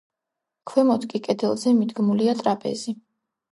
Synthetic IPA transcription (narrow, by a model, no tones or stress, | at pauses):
kʰwɛmɔt̪ʰkʼikʼɛd̪ɛlˠzɛmid̪ɡmuliat̪ʼɾapʼɛ̰zi